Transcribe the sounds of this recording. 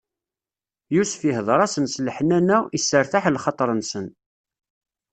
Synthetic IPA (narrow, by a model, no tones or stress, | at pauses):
jusfiɦəðˤɾˤɑsənsləħənænæisːəɾθaħlχɑt̪ˤɾˤənsən